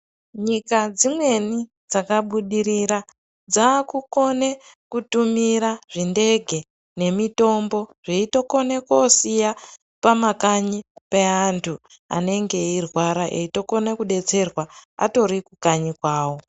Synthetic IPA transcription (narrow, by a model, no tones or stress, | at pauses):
ɲikad͡zimwe̞ni | d͡zakaɓuɗiɾiɾa | d͡zaːkuko̞ne | kutumiɾaʐinde̞ɡʱe̞ | ne̞mito̞mbo̞ʐ̥iito̞ko̞nekosija | pamakaɲipeantʰu | a̰ne̞ŋɡe̞irwaɾaʔeito̞ko̞nekuɗe̞t͡se̞rwaa̰to̞ɾikukaɲikwaːwo̞